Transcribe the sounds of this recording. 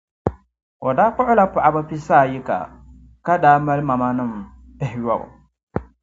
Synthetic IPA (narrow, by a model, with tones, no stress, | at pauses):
o˨daː˦k͡pʊ˦ʔʊ˦la˦pʊ˨ʔa˨ba˦pi˦saː˦˨jɪ˦ka̰˨ | ka˦daː˦ma˦lma˨ma˦nɨ˦m | pɛ˦hɪ˨jɔ̰˦˨bʊ̰˨